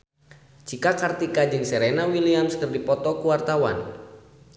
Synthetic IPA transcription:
t͡ʃikakart̪ikad͡ʒɨŋsɛɾɛnawiliamskɨrdipɔt̪ɔkuwart̪awa̰n

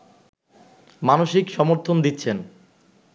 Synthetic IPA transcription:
manoʃikʃɔmoɾt̪ʰond̪itːɕʰen

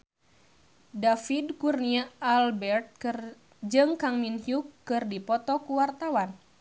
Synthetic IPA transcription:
dafidkurniaːlbɛrt̪̚kr | d͡ʒɨŋkaŋminhjukːɨrdipɔt̪ɔkuwart̪awan

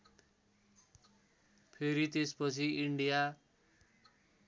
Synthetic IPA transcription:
pʰeɾit̪espʌt͡sʰiiɳɖija

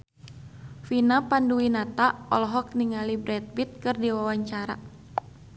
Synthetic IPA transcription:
finapanduwinat̪aɔlɔɦɔk̚niŋalibɾɛt̪̚bit̪̚kɨrdiwawaɲt͡ʃaɾa̰

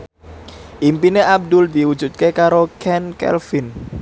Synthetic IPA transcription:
ʔimpineʔab̚d̪ʊld̪iwu̥ʒ̥ut̪̚kekaɾokʰɛnkɛ̰lfin

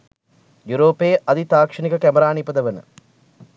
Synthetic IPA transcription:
juɾoːpeːʔɐd̪it̪aːkʂɐnikəkæməɾaːnipəd̪əʋənə̰

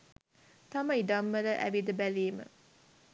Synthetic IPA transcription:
t̪aməiɖ̪amːələʔæ̰ʋid̪əbæliːmə̰

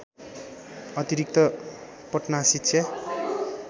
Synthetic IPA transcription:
ʌt̪iɾik̚t̪ʌ | pʌʈnasit̪sʰjʌ

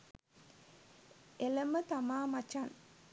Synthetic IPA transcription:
eləmət̪amaːmat͡ʃan

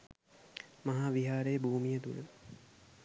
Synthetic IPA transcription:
mɐɦaːʋiɦaːɾejəbʱuːmijət̪ṵlə

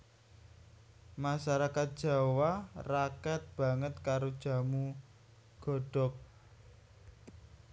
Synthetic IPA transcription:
maʃaɾakat̪̚d̥ʒ̥a̤warakat̪̚b̥ä̤ŋət̪̚kaɾod̥ʒ̥a̤mu | ɡ̥ɔ̤ɖ̥ɔk̚

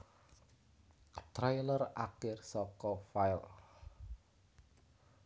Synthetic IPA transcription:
t̪ɾajlərakɪrsɔkɔfajl

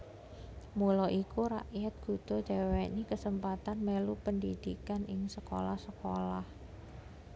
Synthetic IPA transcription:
mulɔʔikuɾa̰ʔjat̪̚ɡ̥ṳd̪̥ɔ̤d̥d͡ʒ̥awenikəsəmpat̪anmelupəndid̪̥ikanʔɪŋsəko̰lahsəkolah

